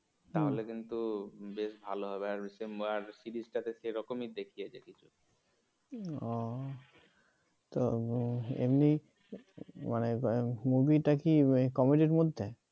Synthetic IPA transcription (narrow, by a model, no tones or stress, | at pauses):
t̪aɦolekint̪ubeʃbʱaloɦɔbeaɾsemaɾsiɖisʈat̪eʃeɾɔkomid̪ekʰijed͡ʑakit͡ɕʰu̥ | ɔ | t̪o | ḛmni | manemubiʈakikɔmiʈiɾmod̪ʱːe